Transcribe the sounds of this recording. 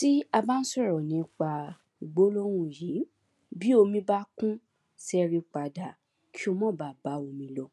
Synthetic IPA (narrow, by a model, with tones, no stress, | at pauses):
ti˦a˧ba˦ñ̩˦sɔ˦˨ɾɔ˨nĩ˨˦k͡pa˧˨ | ɡ͡bo˦lo˦ɾ̃ũ˦˨ji˨˦ | bi˦o˧mĩ˧ba˦kũ˦ | sɛ˧ɾi˧k͡pa˨da˨ | kʰi˦o˧mɔ̃˦˨ba˨ba˨˦o˧mĩ˧lɔ˧